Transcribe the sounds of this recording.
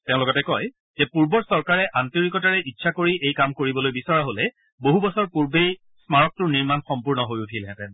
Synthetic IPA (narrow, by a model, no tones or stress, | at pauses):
tẽʊ̃lʊkɔtɛkɔj | zɛpuɹbɔɹsɔɹkaɹɛʔantoɹikɔtaɹɛʔitːʃʰakoɹiʔejkamkoɹibɔlojbisɔɹaɦolɛ | boɦubɔsɔɹpuɹbej | smaɹɔk̚tʊɹniɹmanxɔmpuɹnɔɦojutʰilɛ̃tɛn